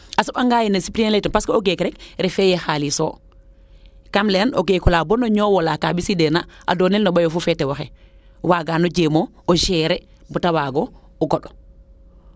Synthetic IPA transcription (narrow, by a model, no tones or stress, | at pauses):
asuɓaŋɡaːjinasipɾienletɔnpaskooɡekɾɛkɾefejexaliso̰ | kamleno̰ɡekulaːbonoɲowolakabisidenaʔa̰doːnelnobajofufetewaxe | waɡaːnoɟemo | oʃɛɾe | butawaːɡo | uɡoɗɔ̥